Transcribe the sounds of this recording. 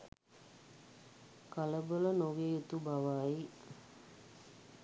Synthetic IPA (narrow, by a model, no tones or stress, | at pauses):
kaləbələnoɡeut̪ubaʋaːi